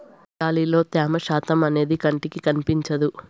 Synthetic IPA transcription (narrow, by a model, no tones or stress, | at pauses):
aːliːlo̞ːt̪ɛːmɐʃaːt̪ɐmɐne̞ːd̪ikɐɳʈikikɐnipiɲt͡ʃɐd̪u